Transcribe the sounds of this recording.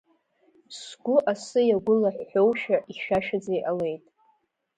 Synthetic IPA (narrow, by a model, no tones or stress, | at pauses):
sɡʷʊʔasɨjaɡʷʊlaħʷːᶣowʃaʔiʃaʃad͡zajʔale̞jtʼ